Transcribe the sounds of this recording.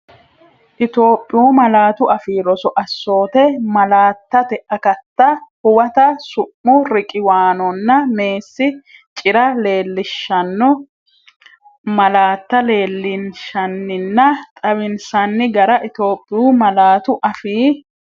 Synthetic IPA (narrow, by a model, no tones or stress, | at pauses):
ʔɪt̪o̞ːpʼːɪjuːmɐlaːt̪ʊʔɐfiːɾɔsɔʔɐsːo̞ːt̪ɛmɐlaːt̪ːɐt̪ɛʔɐkɐt̪ːɐhʊwɐt̪ɐsʊʔːʊɾɪkʼɪwaːnɔnːɐme̞ːsːɪt͡ʃʼɪɾɐle̞ːlːɪʃːɐnːɔ | mɐlaːt̪ːɐle̞ːlːɪnʃɐnːɪnːɐt̪ʼɐβɪnsɐnːɪɡɐɾɐʔɪt̪o̞ːpʼːɪjuːmɐlaːt̪ʊʔɐfiː